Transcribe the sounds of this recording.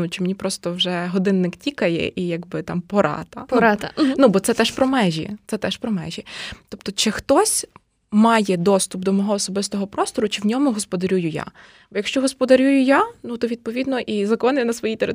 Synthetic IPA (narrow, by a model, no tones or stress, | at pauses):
nut͡ʃɪmenʲipɾɔst̪ɔwʒɛɦɔd̪ɪnːɪktʲikɐjɛ̰ʔijɐɡbɪt̪ɑmpɔɾɑ̰t̪ɐpɔɾɑt̪ɐnubɔt̪sɛt̪ɛʃpɾɔmɛʒʲḭt̪sɛt̪ɛʃpɾɔmɛ̰ʒʲit̪ɔp̚t̪ɔt͡ʃɪxt̪ɔsʲ | mɑjɛd̪ɔst̪ʊpd̪ɔmɔɦɔːsɔbɪst̪ɔɦɔpɾɔst̪ɔɾʊt͡ʃɪwnʲɔmʊɦɔspɔd̪ɐɾʲujʊja̰ | bɔjɐkʃt͡ʃɔɦɔspɔd̪ɐɾʲujʊjanut̪ɔʋʲid̪pɔʋʲid̪nɔʔizɐkɔnɪnɐsʋɔjit̪eɾɪ